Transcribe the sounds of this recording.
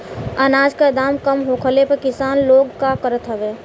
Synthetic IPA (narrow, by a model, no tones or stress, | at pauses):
ənaːd͡ʒkad̪aːmkəmɦoːkʰəlepəɾkɪsaːnloːɡkakəɾət̪ɦəʋeː